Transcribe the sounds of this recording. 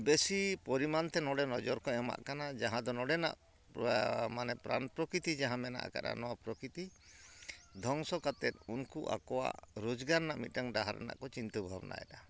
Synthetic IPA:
besipɔɾimant̪ɛnɔɽɛnɔd͡ʒɔɾkɔama̰ʔkanad͡ʒaɦãd̪ɔnɔɽɛna̰ʔ | manɛpɾa̰npɾɔkɾit̪id͡ʒaɦãmɛna̰ʔa̰ka̰ɾa̰nɔwapɾɔkɾit̪i | d̪ʱɔŋsɔkat̪ɛt̪̚unkuʔa̰kɔwa̰ʔɾud͡ʒɡaɾnaʔmit̪̚ˀʈaŋɖaɦaɾɛ̰na̰ʔkɔt͡ʃint̪ubʱabnʔa̰ɛ̰ɖa

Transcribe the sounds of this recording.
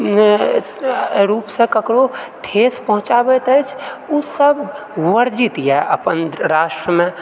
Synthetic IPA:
ɾupsə̃kəkɾoʈʰespəɦũt͡ʃabɛt̪əjt͡ʃʰusəb | wəɾd͡ʒit̪jɛʔə̰pənɾasʈɾəme

